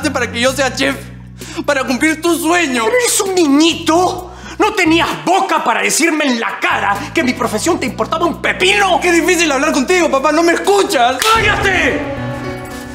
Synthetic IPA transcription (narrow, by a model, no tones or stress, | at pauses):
t̪epaɾakeʝo̞seat͡ʃef | paɾakumpliɾt̪uswe̞ɲopeɾoeɾesunnĩɲit̪o | no̞t̪e̞niazbo̞kapaɾaðesiɾme̞ːnla̰kaɾake̞mipɾo̞fesjo̞nt̪eimpo̞ɾt̪aβaumpe̞pilo̞kezðifisilaβlaɾko̞nt̪iɣo̞papano̞meːskut͡ʃaskajast̪e